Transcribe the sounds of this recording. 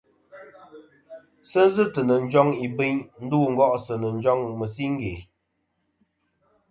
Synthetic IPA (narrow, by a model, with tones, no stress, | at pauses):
sə˦n˦zɨ˦tə˨nə˨n̩˦d͡ʒɔ˦ŋi˨bɨ˦ɲn̩˦duː˦˨ŋ̩˦ɡɔ˦ʔsə˨nə˨n̩˦d͡ʒɔ˦ŋmə˨s̬i˦ŋ̩˦ɡe˨